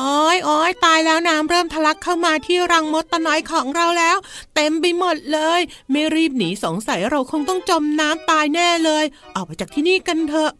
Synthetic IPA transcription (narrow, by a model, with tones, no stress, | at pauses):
ʔɔː˧˥jʔɔː˧˩jt̪aː˧jlɛː˦˥wnaː˦˥mɾɤː˥˩mt̪ʰa˧la˦˥kʰːaː˥˩wmaː˧t̪ʰiː˥˩ɾa˧ŋmo˦˥t̪ːa˧nɔ˨˩˦jkʰɔː˩˦ŋɾa˧˥wlɛː˦˥wt̪e˧mpa˧jmo˨˩t̪̚lɤː˧jmaː˧ɾiː˥˩p̚niː˩˦so˨˩˦ŋsa˨˩˦jɾa˧wkʰo˧ŋt̪ɔ˥˩ŋt͡ɕo˧mnaː˦˥mt̪aː˧jnɛː˥˩lɤː˧jʔɔː˨˩k̚ma˧t͡ɕaː˨˩k̚t̪ʰiː˥˩niː˥˩ka˧nt̪ʰɤ˧˥ʔ